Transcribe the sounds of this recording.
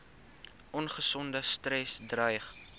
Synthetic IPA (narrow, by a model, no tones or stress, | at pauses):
ʔɔnχəsɔndəstɾɛsdrəjχ